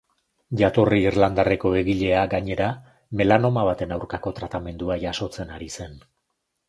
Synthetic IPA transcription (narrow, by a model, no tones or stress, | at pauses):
ʝat̪oriːrland̪are̞ko̞e̞ɣiʎe̞aɡaɲe̞ɾa | me̞lano̞maβat̪e̞nawɾkako̞t̪ɾat̪ame̞nd̪uaʝaso̞t͡se̞naɾise̞n